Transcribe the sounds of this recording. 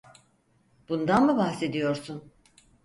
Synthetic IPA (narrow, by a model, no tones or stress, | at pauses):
b̥und̪anmɯbahse̞d̪ijo̞ɾsun